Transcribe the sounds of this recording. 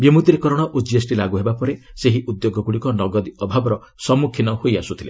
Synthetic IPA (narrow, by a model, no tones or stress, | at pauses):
bimut̪iɾekɔɾɔɽ̃ɔʔud͡ʒiesʈilaɡuɦebapɔɾeseɦiʔud̪joɡɔɡuɽikɔnɔɡɔd̪iɔbʱabɔɾɔ | sɔmukʰːinɔhojasut̪ʰile